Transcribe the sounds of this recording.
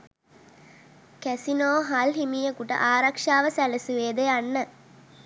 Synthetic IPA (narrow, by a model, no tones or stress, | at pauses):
kæsinoːɦalɦimijəkuʈə̰ʔaːɾakʂaːʋəsæləsuʋeːd̪ejanːə